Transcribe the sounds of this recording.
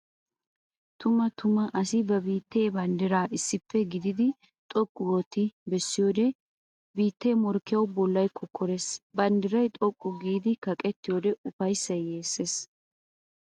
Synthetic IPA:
t̪ʊmɐt̪ʰʊmɐʔɐsɪbɐbiːt̪ːe̞ːbɐnd̪ɪɾaːʔɪsːɪpːɛɡɪd̪ɪd̪ɪ | t̪ʼɔkʼːʊwɔt̪ːɪbɛsːɪjoːd̪ɛ | biːt̪ːeːmɔɾkːɪjɐwbɔlːɐjkʰːɔkʰːɔɾesbɐnd̪ɪɾɐjt̪ʼɔkʼːʊɡiːd̪ɪkɐkʼɛt̪ːɪjoːd̪ɛʊfɐjsɐjeːsːes

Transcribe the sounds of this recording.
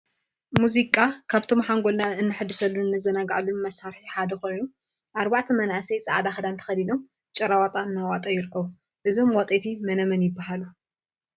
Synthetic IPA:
muzikʼakʰaβt̪ʰo̞mħaŋɡo̞lnaɨnːɨħɨd̪ːɨsɐlːunɨnːɐzɐnaɡaʕlunmɐsaɾħiħad̪ɐxo̞jnu | ʔaɾbaʕt̪ʰɐmɐnʔasɐjsʼaʕd̪axɐd̪ant̪ʰɐ̥xɐd̪ino̞m | t͡ʃʼɐɾawat̪ʼanːawat̪ʼɐjɪɾɨkʰːɐβu | ʔɨzo̞mwat̪ʼet̪ʰimɐnɐmɐnjɪbːaɦalu

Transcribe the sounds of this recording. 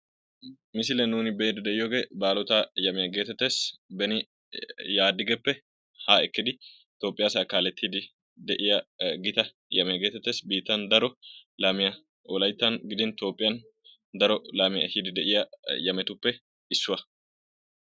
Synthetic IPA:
mɪsɪlɛnuːnɪbeːd̪ɪd̪ɛʔɪjoːɡebaːlɔt̪aːjɐmɪjɐɡe̞ːt̪ːɛt̪ːe̞ːsbɛnɪ | jaːd̪ɪɡɛpːɛ | haːɛkːɪd̪ɪ | t̪o̞ːpʼɪjasɐkaːlɛt̪ːɪd̪ɪ | d̪ɛʔɪjɐɡɪt̪ɐ | jɐmɛɡe̞ːt̪ːɛt̪ːe̞ːsbiːt̪ːɐnd̪ɐɾɔlaːmɪjɐ | wɔlɐjt̪ːɐnɡɪd̪ɪnt̪o̞ːpʼːɪjɐn | d̪ɐɾɔlaːmɪjɐ̰hɪd̪ɪd̪ɛʔɪjɐjɐmɛt̪ʊpːɛ | ɪsːʊwɐ

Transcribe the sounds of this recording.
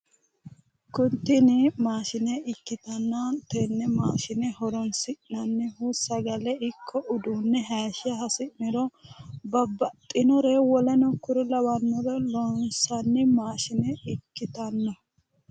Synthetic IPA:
kʊnt̪ːɪnɪmaːʃɪnɛʔɪkːɪt̪ɐnːɐnt̪ɛnːɛmaːʃɪnɛhɔɾɔnsɪʔnɐnːɛhusɐɡɐlɛɪkʰːɔʔʊd̪uːnːɛɦaːʃɪɐɦɐsɪʔnɪɾɔbɐbːɐt̪ʼːɪnɔɾewɔlɐnɔkʊɾʊlɐwɐnːɔɾɛlɔnsɐnːɪmaːʃɪnɛɪkːɪt̪ɐnːɐ

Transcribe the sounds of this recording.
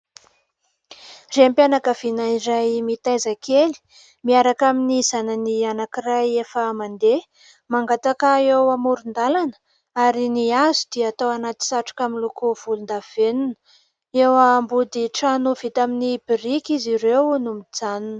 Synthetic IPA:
rempjanakəv̥inaiɾajmit̪ajzakʰeli̥ | miaɾakaminizanənianakirajefəmand̪e | maŋɡat̪akəewamuɾund̪alanə̥ | aɾiniazud̪̥iat̪awanat̪i̥saʈ͡ʂu̥kʲamilukuv̥ulund̪av̥enunə̥ | ewambud̪iʈ͡ʂanuv̥it̪aminibirikiziɾewnumid͡zanunə̥

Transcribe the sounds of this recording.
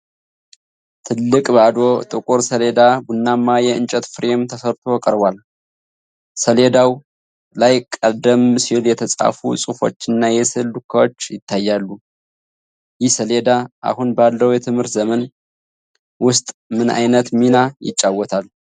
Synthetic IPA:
t̪ʰɨlːɨkʼbəad̪o̞t̪ʼɨkʼuɾsəled̪abunːamːajɛɨnt͡ʃʼɛt̪fɨɾe̞mt̪ʰəsəɾt̪ʰo̞kʼəɾbwal | səled̪aw | lajkʼəd̪əmːsiljɛt̪ʰəsʼa̰fṵsʼufo̞̰t͡ʃːɨnːajɛsɨlːukʰːawot͡ʃːjɪt̪ʰːajːalːu | jɪhsəle̞d̪aʔa̰hunbalːəwjɛt̪ʰɨmhɨɾt̪zəmən | wʊst̪ʼmɨna̰jnət̪minajɪ̰t͡ʃʼːawːɔt̪ʰal

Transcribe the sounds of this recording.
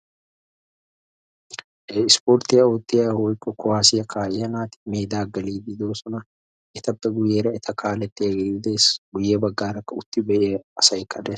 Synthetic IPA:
ɪspoːɾt̪ɪɐoːt̪ʼːɪɐhoɪkʼːɔkʊwaːsɪjɐkʰaːʔɐnaːt̪ɪ̥meːd̪aːɡɐliːd̪ɪd̪oːsɔnɐ | ʔɪt̪ɐbt̪ːɐɡʊjːeːɾɐɪt̪ʰɐkʰaːlɛt̪ːɪɐɡɪd̪eːsɡ̥ʊjːeːbɐɡːaːɾɐkːɐʊt̪ːɪbɛʔeɐsɐɪkːɐd̪ɛ

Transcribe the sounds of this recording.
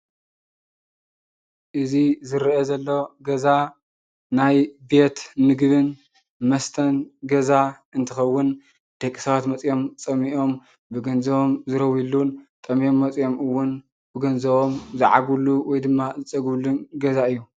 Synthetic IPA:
ʔɨzizɨɾʔezɐlːoɡɐza | najbe̞t̪nɨɡβɨn | mɐst̪ʰɐnɡɐza | ɨnt̪ʰɨxɐwːʊn | d̪̥ɐkʼːi̥sɐβat̪mɐt͡sʼjo̞mt͡sʼɐmiʔo̞m | bɨɡɐnzɐβo̞mzɨɾɐwilːunt̪ʼɐmijo̞mːɐt͡sʼjo̞mɨwːʊn | b̥ɨɡɐnzɐβo̞mzɨʕa̰ɡuluwɔjd̪ɨmːazɨt͡sʼɐɡβlunɡɐzaɨjːu

